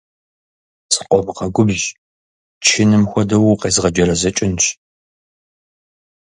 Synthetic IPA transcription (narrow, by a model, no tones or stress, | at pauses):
sɨ̥qʷʼɔmɨqɐɡʷʊbʒ | t͡ʃʰɪnɨmxʷɔdɐwʊqeːzʁɐd͡ʒɐɾɐzɐt͡ʃʼɪnʃ